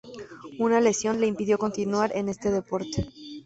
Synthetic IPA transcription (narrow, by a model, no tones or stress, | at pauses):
unale̞sjo̞nle̞impiðjo̞ko̞nt̪inwaɾʔe̞ne̞st̪e̞ðe̞po̞ɾt̪e